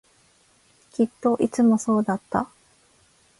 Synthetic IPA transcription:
kʲit̪ːo̞ʔit͡sɨmo̞so̞ːd̪at̪ːa̰

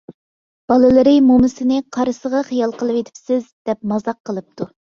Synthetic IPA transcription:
b̥ɑlˠɨlˠɨɾɪmomɪsɪnɪqʰɑɾɨsəʁɑχijɑlˠqəlˠɨpet̪ʰɪ̥psɪzd̪̥ɛp̚mɑzɑqʰːəlˠɨp̚t̪ʰu

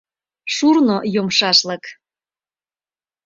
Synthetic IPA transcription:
ʃurnojomʃɑʃlək

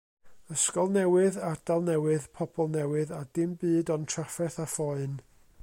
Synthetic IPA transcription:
əskɔlˠnɛwɨðad̥alˠnɛwɨðpʰɔbʰɔlˠnɛwɨðadɪmbɨːdɔntʰrafɛθafɔɨn

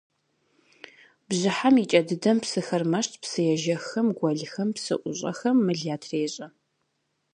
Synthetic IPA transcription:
bʑɨħamit͡ʃʼɐdɨdɐmpsɨxɐrmɐʃtʰʼpsɨjɛʒɐxɐmɡʷɐɮxɐmpsɨ̰ʔʷʊɕʼɐ̰xɐmːɨɮaːtʰreːɕʼɐ

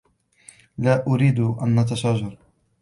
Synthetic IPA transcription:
laːʔʊɾiːd̪ʔanʔat̪̬aʃaːd͡ʒɑɾˤ

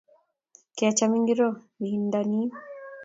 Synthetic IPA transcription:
kiat͡ʃamiŋɡiɾo | βindani

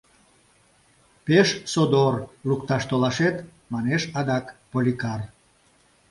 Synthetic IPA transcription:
peʃsod̪orlukt̪ɑʃt̪olɑʃet̪ | mɑneʃɑd̪ɑkpolʲikar

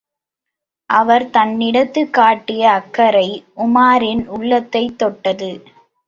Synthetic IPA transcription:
ʔɐʋɐɾt̪ɐnːɪɽɐt̪ːɯkːaːʈːɪjɐːkːɐɾɐɪʔʊmaːɾɪnʊɭːɐt̪ːɐɪt̪ːɔʈːɐðɯ

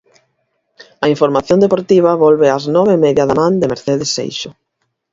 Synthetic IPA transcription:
ɐĩɱfoɾmaθjõnd̪epoɾt̪iβ̞ɐβɔlβeaznɔβemɛðjɐðamãnd̪emeɾθeðesːḛjʃʊ

